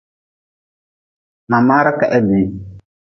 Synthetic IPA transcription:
ma˨ma˦ɾa˦ka˨ʔɛ˦biː˨˦

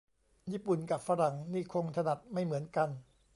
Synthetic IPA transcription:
jiː˥˩pu˨˩nka˨˩p̚fa˧˥ɾa˨˩˦ŋniː˥˩kʰo˧ŋt̪ʰa˧na˨˩t̪̚ma˥˩jmɯ˩˦ənka˧n

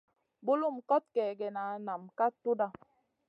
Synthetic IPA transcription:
bo˦lu˦˨m̩˨kɔ˦t̚kɛ˨ɡɛ˨na˨˦na˨mka˦tu˦da˦

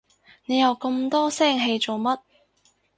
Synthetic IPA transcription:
ne˨˧jɐ˨˧wkɤ˧mt̪ɔː˥sɛː˥˩ŋɦe˧jt͡so˨wmɐ˥t̚

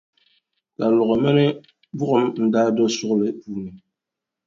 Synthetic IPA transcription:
ka˨lɔ˨ɣɔ˨mɛ˦nɛ˦ | bu˦ʔɔ˨˦mn̩˨da˦dɔ˦su˦klɛ˨puː˨ni˨

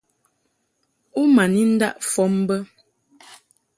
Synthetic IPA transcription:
u˦ma˨ni˦n̩˦da̰˦ʔfɔ˨˦m˦bə˦

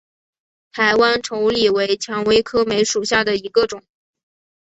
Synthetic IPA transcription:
t̪ʰa˧˥ɪwa˥nʈ͡ʂʰo˧˥ʊli˨˩we˧˥ɪt͡ɕʰjɑ˧˥ŋwe˧˥ɪkʰɤ˥me˧˥ɪʂu˨˩ɕja˥˩d̪ə˩i˧˥ɡə˧ʈ͡ʂʊ˨˩˦

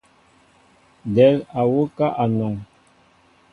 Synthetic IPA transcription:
dɛ˨˦la˨wo˦ka˦ʔa˨nɔ˨ŋ

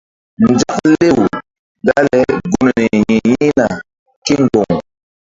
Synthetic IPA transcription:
n˨d͡ʒa˦k̚le˦˨w | da˦lɛ˦ɡu˦m˨nɛ˨ji˨ji˦na˨ | ke˦ŋɡɔ˨ŋ

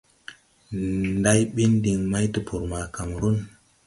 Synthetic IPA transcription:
nda˦jɓi˦ndi˨ŋma˦jtə˨pʰu˨ɾma˨ka˨mɾu˦n

